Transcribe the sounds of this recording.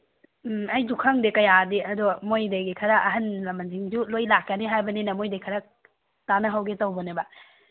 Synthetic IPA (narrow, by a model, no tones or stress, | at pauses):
ɐjdukʰɐŋdekɐjadiʔɐdɔmojdajɡikʰɐɾɐʔɐɦɐnlɐmɐnd͡ʒiŋd͡ʒulojlakːɐniɦajbɐninɐmojdejkʰɐɾɐ | tanɐɦɐwɡetɐwbɔnebɐ